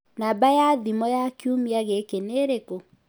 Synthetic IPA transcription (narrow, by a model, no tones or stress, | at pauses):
nabajaðimɔjakiumiaɣekeneɾeko